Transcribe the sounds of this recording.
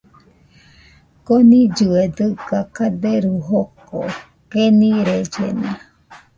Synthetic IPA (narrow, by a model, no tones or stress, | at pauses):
konĩd͡ʒued̪ɨkakad̪eɾuɦoko̰ | kenĩɾed͡ʒḛna